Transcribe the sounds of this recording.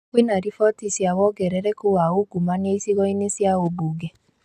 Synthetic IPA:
kwenaɾifɔtisiawɔɡɛɾɛɾɛkowaoɡumãnieisiɣɔinesiaoboɡɛ

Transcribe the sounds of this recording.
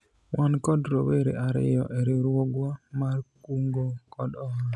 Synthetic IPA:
wankɔdɾoweɾḛʔaɾɪ̰jɔ̰ʔeɾeɾwoɡwamarkuŋɡokɔdɔɔ

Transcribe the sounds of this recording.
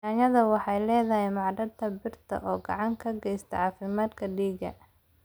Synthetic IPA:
aːɲɐðɐwɑħɑjlɛːðɐɦɛjmɑʕɖɐd̪ʰɐbɪrt̪ʰɐ̰ʔɔːɡɑ̰ʕɑŋkʰɐɡɛjst̪ʰɐ̰ʕɑːfɪmaːd̪kʰɐɖiːɡɐ̰

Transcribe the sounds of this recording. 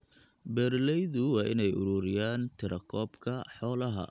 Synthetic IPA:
bɛːrlɛjðʊwɑːʔɪnɛjʔʊɾuːɾɪjaːnt̪ʰɪɾʔɐkʰɔːbkʰɐħɔːlɐɦɐ̰

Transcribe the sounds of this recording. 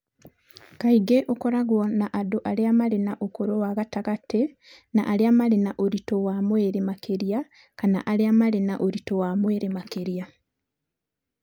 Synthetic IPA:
kaiɡeʔokoɾaɣwonaʔadoʔaljamalenaʔokoɾowaɣataɣate | na̰ʔːleamalenaʔoɾitowamweːɾemakʰeɾja | kana̰ʔaliamalena̰ʔoɾitowaːmweːɾemakeɾija

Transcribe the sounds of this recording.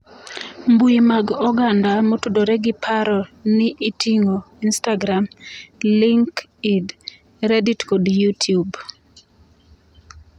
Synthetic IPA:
mbuimaɡɔɡandamotudoɾɛɡɪpʰaɾɔnɪʔitʰiŋo | instaɡɾamliŋkid | ɾeditkodjutʰiub

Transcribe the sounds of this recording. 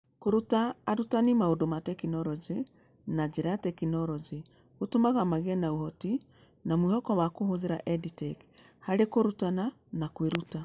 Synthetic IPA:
koɾutaːɾutanimaondomatɛkinɔɾɔd͡ʒe | nad͡ʒeɾajatɛkinɔɾɔd͡ʒi | ɣotomaɣamaɣɛnaohɔti | namwihɔkɔwakohoðeɾaʔɛditɛk | haɾekoɾutana | nakweɾuta

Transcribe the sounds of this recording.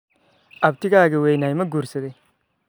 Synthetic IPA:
ab̚tiɡaɡewejnajmɐɡuɾsede

